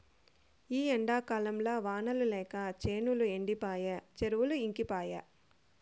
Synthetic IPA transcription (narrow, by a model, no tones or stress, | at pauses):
iːɐɳɖaːkaːlɐmlaːʋaːnɐlulɛːkɐt͡ʃeːnulueɳɖipaːjɐt͡ʃeɾuʋuluiŋkipaːjɐ